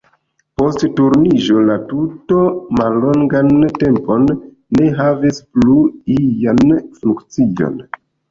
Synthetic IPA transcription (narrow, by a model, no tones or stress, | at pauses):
po̞sttuɾnid͡ʒo̞latutomalːo̞ŋɡante̞mpo̞nː | e̞ɦavispluijanflukt͡sijo̞̰n